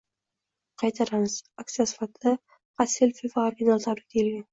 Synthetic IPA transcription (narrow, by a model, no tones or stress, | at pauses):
qʰɑjt̪ʰaɾanɨz̥ak̚t̪ɨjasɪ̥fat̪ʰa | qɑsilfivaoɾɡʲinalˠt̪ʰabɾɪkʲʰelɡʲan